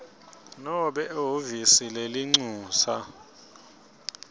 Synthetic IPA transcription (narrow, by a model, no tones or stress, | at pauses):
nɔɓɛovisileliŋ͡ǀuːsa